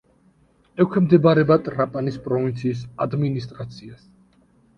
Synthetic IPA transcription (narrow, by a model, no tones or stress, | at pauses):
ɛkʰwɛmd̪ɛbaɾɛbat̪ʼɾapʼanispʼɾɔvint̪sʰiːs̬ad̪minist̪ʼɾat̪sʰias